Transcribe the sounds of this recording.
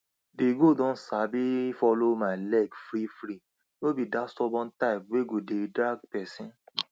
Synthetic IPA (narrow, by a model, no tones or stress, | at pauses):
biɡodɔ̃n̩sabifɔlomalɛɡfɾifɾi | lobidastɔbɔ̃ntaɪb̚weɡodedɾaɡpɛsĩ